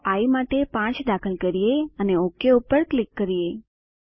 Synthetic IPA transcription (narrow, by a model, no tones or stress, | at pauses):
aimaʈepãt͡ʃdakʰəlkəɾijeəneokːeupəɾklɪkːəɾije